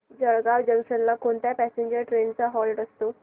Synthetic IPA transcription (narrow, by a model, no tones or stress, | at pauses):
d͡zəɭɡaʋd͡ʑə̃ŋkʂənlakoɳt̪japæseɲd͡ʑəɾʈɾent͡saɦɔlʈəst̪o